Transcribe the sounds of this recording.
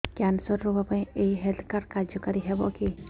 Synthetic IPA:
kansɔɾɾubapãj̃eiɦelt̪ʰkaɾkaɾd͡ʒjɔkɔɾiɦebɔ̰ki

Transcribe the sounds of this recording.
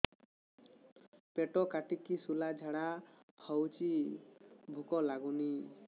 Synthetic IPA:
peʈɔkaʈikisulad͡ʒʱaɽa | hɔwt͡ʃi | bʱukɔlaɡuni

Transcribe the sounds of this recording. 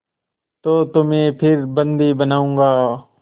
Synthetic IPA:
t̪oːt̪ʊmẽːpʰɪɾbənd̪iːbənaːũːŋɡaː

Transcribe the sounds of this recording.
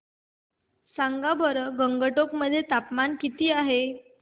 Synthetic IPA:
saŋɡabʱəɾəɡəŋɡəʈokməd̪ʱːjet̪apmankit̪iːaɦe

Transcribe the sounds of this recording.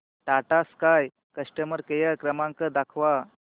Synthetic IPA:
ʈaʈaskaj | kəsʈəməɾkəjəkɾəmãŋkəd̪akʰʋa

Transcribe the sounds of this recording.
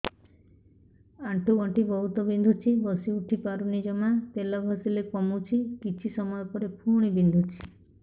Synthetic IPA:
aɳʈuɔɳʈibɔɦut̪ɔbind̪ʱut͡ʃʰibɔsiuʈʰipaɾunid͡ʒɔmat̪elɔbʱɔsilekɔmut͡ʃʰikit͡ʃʰisɔmɔjɔpɔɾepʰuɽ̃ibind̪ʱut͡ʃʰi̥

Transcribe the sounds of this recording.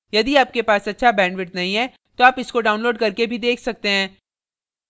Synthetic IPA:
jɐd̪iaːp̚kepaːsɐtːʃʰabɛ̃ːɳɖʋɪʈnɐɦĩɦɛ | t̪oaːpɪskoɖaːʊ̃nloːɖkɐɾkebʱid̪eːkʰsɐk̚t̪eɦɛ̃ː

